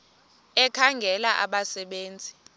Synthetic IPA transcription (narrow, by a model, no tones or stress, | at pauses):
ɛkʰaŋɡʱɛlaʔa̰ɓasɛɓeːnd͡zʱi̥